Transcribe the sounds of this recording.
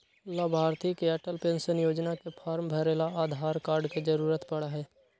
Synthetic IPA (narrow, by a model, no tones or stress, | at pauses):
ʊlːabʱaːɾt̪ikeɛʈəlpẽnsənjoːd͡ʒnakepʰaːɾmbʱɛɾeːlaaːd̪ʱaːɾkaːɾɖked͡ʒəɾuːɾət̪pɐɽaɦɛː